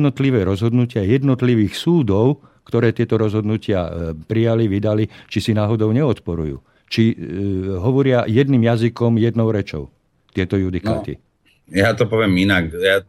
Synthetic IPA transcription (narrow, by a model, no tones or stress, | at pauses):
nɔt̪liʋɛːɾɔzɦɔd̪nucɪajɛd̪nɔt̪liʋiːxsuːd̪ɔʊ | kt̪ɔɾɛːt̪ɪɛt̪ɔɾɔzɦɔd̪nucɪa̰pɾijaliʋid̪alit͡ʃisinaːɦɔd̪ɔʊɲɛɔt̪pɔɾṵjṵː | t͡ʃi | ɦɔʋɔɾɪajɛd̪niːmjazikɔmjɛd̪nɔʊɾɛt͡ʃɔ̰ʊ | t̪ɪɛt̪ɔjud̪ika̰ːt̪ḭ | jat̪ɔpɔʋɪɛminakja